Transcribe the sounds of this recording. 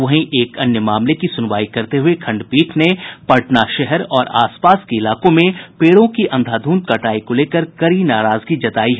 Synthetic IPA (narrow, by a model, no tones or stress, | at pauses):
ɐɦĩʔeːkɐnjəmaːmlekisʊnʋaːikɐɾt̪eɦʊekʰɐ̃ɳɖpiːʈʰnepɐʈnaʃɛɦɛɾɔːɾa̰ːspaːskeɪlaːkõmẽpeːɽõkiʔɐ̃nd̪ʱaːd̪ʱuːnt̪̚kɐʈaːikoleːkəɾkɐɾinaːɾaːzɡid͡ʒɐt̪aːiɦɛ